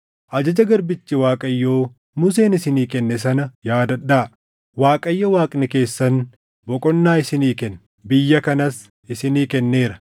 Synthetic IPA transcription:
ʔɐd͡ʒɐd͡ʒɐɡɐɾbɪt͡ʃːɪwaːkʼɐjːoː | mʊs̬e̞ːnɪsɪniːkɛnːɛs̬ɐnɐjaːd̪ɐᶑːaː | waːkʼɐjːɐwaːkʼnɛke̞ːsːɐn | bɔkʼɔnːaːɪsɪniːkɛn | bɪjːɐkɐnɐs | ɪsɪniːkɛnːeːɾɐ

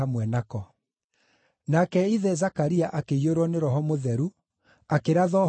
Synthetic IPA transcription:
amwɛnakɔ | nakɛiðɛzakaɾiaʔakeioɾɔneɾɔɦɔmoðɛɾu | akeɾaðɔ

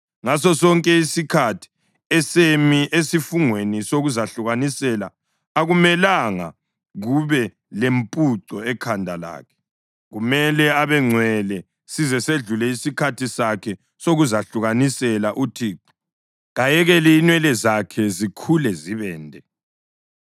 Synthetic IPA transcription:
ŋas̬ɔsɔŋkʼɛisikʰatʰi̥ | ɛsemiʔesifuŋwenisoɣuzaɬuɣanisɛla̰ | aɣumɛlaŋa̰ | ɣuβɛ | lempʼuǀɔɛkʰandʱala̰ːkʰɛ̥ | ɣumɛlɛaβɛŋ͡ǀʱwɛlɛ | sizɛseɮulɛisikʰatʰisakʰɛ | soɣuzaɬuɣanisɛlaʔutʰiːǀi | ɣajɛɣɛliːnwɛlɛzakʰɛzikʰulɛziβɛːndʱɛ

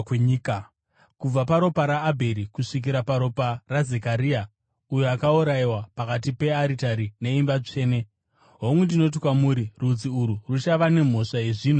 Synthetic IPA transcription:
eɲika | kub͡vapaɾo̞paɾaːbʱe̞ɾikuʂik̬iɾapaɾo̞paraze̞kaɾiːa | ujoakauɾaiwapakat̬ipe̞aɾitaɾine̞imbat͡ʂe̞ːne̞ | ɦomwendino̞t̬ikwamuːɾirud͡ziuɾurut͡ʃaʋane̞m̤o̞ʂaeʐiːnu

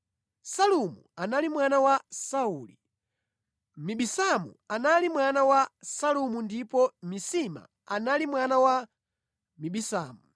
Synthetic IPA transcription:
salumṵanalimwanawasauːli | miɓisamṵanalimwanawasalumundipɔmisima̰ | analimwanawa | miɓisa̰ːmu

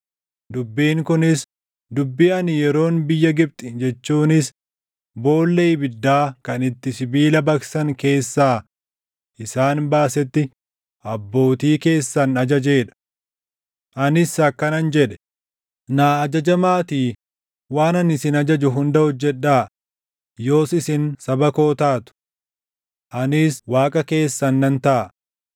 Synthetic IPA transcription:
d̪ʊbːiːŋkʊnɪs | d̪ʊbːiːɐnɪjɛɾo̞ːnbɪjːɐɡɪb̚t̪ʼɪd͡ʒɛt͡ʃːuːnɪs | bo̞ːlːebɪd̪ːaːkɐnɪt̪ːɪsɪbiːlɐbɐksɐŋke̞ːsːaː | ʔɪsaːnbaːsɛt̪ːɪ | ʔɐbːo̞ːt̪iːke̞ːsːɐnɐd͡ʒɐd͡ʒe̞ːᶑɐ̥ | ʔɐnɪsɐkːɐnɐnd͡ʒɛᶑɛ̥ | naːɐd͡ʒɐd͡ʒɐmaːt̪iː | waːnɐnɪsɪnɐd͡ʒɐd͡ʒʊɦʊnd̪ɐhɔd͡ʒːɛᶑːaː | jo̞ːsɪsɪnsɐbɐko̞ːt̪aːt̪ʊ̥ | ʔɐnɪswaːkʼɐke̞ːsːɐnːɐnt̪ɐʔː

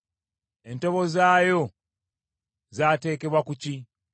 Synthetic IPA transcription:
e̞nto̞βo̞zaːjo̞ | zaːte̞ːke̞βwakuci

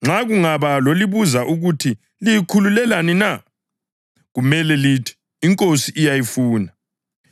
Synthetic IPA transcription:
ŋ͡ǁʱaɣuŋaβaloliβuzaʔuɣutʰi | lijikʰululɛlanina | ɣumɛlɛlitʰi̥ː | ŋkʼosiʔijajifuːna

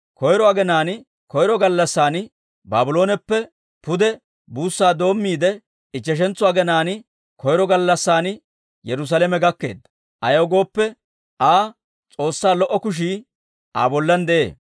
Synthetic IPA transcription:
kɔjɾɔɐɡɛnaːn | kɔjɾɔɡɐlːɐsːaːn | baːbʊlo̞ːnɛpːɛ | pʊd̪ɛ | buːsːaːd̪o̞ːmːiːd̪ɛ | ɪt͡ʃːɛʃ̬ɛnt͡sːʊɐɡɛnaːn | kʰɔjɾɔɡɐlːɐsːaːn | jɛɾʊs̬aːlɛmɛɡɐkːe̞̰ːd̪ːɐ | ʔɐjɐɡo̞ːpːɛ | ʔaː | t͡sʼo̞ːsːaːlɔʔːɔkʊʃ̬iː | ʔa̰ːbɔlːɐnd̪ɛʔḛː

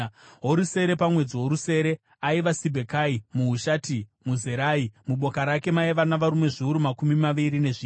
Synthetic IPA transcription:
ɦo̞ɾuse̞ɾe̞pamwe̞d͡ziɦo̞ɾuse̞ːɾe̞ | aiʋasibʱekaimuɦuʃaːtimuzeɾaːimuɓo̞kaɾakemaeʋanaʋaɾumwe̞ʐiuɾumakumimaʋiɾine̞ʐiː

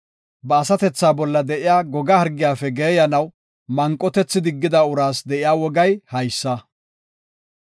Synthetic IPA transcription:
bɐːsɐt̪ɛt͡sːaːbɔlːɐd̪ɛʔɪjaːɡɔɡɐhɐɾɡɪjaːfɛɡeːjɐnɐw | mɐŋkʼːɔt̪ɛt͡sːɪd̪ɪɡːɪd̪ɐʊɾaːsd̪ɛʔɪjaːwɔɡɐjhɐjsːɐ

